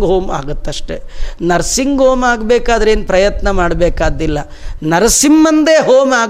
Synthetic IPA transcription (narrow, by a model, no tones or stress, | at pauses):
ɡɦoːma̰ːɡut̪ːɐʂʈenɐɾsiŋɡɦoːmaːɡbeːkaːd̪ɐɾeːnpɾɐjɐt̪nɐmaːɖbeːkaːd̪ilːɐ | nɐɾɐsimːɐnd̪eːɦoːmaːɡ